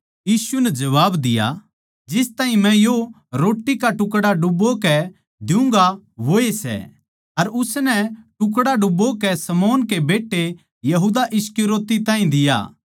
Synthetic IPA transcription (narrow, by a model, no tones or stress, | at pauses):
jiːsunɛd͡ʒɐʋaːbd̪ɪja̰ | d͡ʒɪst̪ãːɦĩmɛ̃jo | ɾoːʈːikaʈʊkɽaɖʊbokɛ | d̪ɪʊ̃ŋɡaʋoːesɛ̰ | ɐɾʊsnɛʈʊk̬ɽaɖʊbokɛsɐmɔːnkebeːʈːe | jɐɦuːd̪aʔɪskiɾoːt̪it̪ãːĩd̪ɪja̰ː